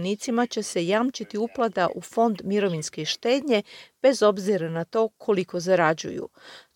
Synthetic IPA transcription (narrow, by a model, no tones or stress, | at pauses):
nit̪simat͡ɕe̞se̞jaːmt͡ʃit̪iuplˠad̪aʔufo̞nd̪miɾo̞ʋinskeʃt̪e̞ːd̪ɲe̞b̥e̞zo̞bziɾanat̪o̞ːkʰo̞liko̞zaɾad͡ʑṵjṵ